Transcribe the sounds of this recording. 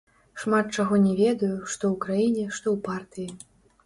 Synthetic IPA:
ʂmat̪̚t͡ʂaɣɔnʲɛvʲɛd̪ɐjuʂt̪ɔwkɾajinʲɛʂt̪ɔwpart̪ɨji

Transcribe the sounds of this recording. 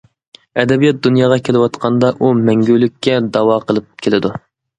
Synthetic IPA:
ɛd̪ɛbijɑt̪̚d̪unjɑːʁɑkʲʰelɪwɑt̪qʰɑnd̪ɑʔumɛŋɡʲylykʲʰːɛd̪ɑwɑqʰəlˠɨp̚kʲʰelɪd̪u

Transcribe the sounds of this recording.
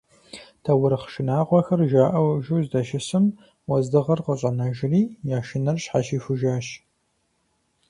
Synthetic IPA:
tʰɐwʊɾχʃɪnaːqʷɔxɐrʒaːʔɐwʒuwzdɐʃɪsɨm | wɐzdɨʁɐrqəɕʼɐnɐʒɪriːjaːʃɪnɐrɕħa̰ʃiːfɨʒaːɕ

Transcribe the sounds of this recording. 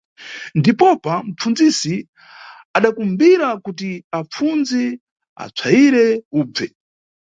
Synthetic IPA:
ndipɔpam̩p͡fund͡zisi | aɗakumbiɾakutiap͡funzi | a̰t͡sʰaiɾɛuːb͡vɛ

